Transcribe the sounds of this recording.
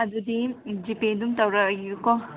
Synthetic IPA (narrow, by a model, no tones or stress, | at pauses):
ɐd̪ud̪id͡ʒiped̪umt̪awɾaukɔ